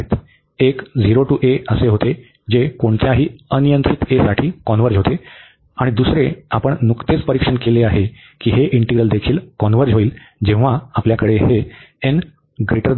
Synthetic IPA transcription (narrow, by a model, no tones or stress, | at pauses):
t̪ | ekd͡ziɾoʈuːʔeəseɦot̪e | d͡ʑekoɳt͡s̪jaɦiːənijənt̪ɾit̪esaʈʰiːkɔnʋəɾd͡ʑɦot̪e | aɽ̃id̪usɾeapəɳnukt̪et͡spəɾikʂəɳkeleaɦe | kiːɦeʔiɳʈiɡɾəld̪ekʰiːlkɔnʋəɾd͡ʑɦoiːl | d͡ʑẽʋ̤aːpljakəɽeɦeen | ɡɾiʈəɾ